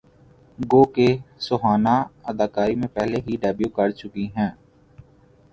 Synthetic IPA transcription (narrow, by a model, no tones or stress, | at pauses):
ɡoːkesʊɦaːnaːəd̪aːkaːɾimẽpɛɦleɦiɖɛːbjuːkəɽt͡ʃʊkiɦɛ̃ː